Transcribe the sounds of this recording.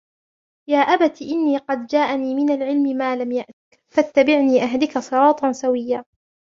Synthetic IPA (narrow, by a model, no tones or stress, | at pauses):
jaːʔabat̪iʔɪnːiːqɑd̪d͡ʒaːʔaniːmɪnalʕɪlmɪmaːlamjaʔt̪ɪk | fat̪ːabɪʕniːʔaɦalɪkasˤɨɾˤɑːt̪ˤɑnsawɪjːaː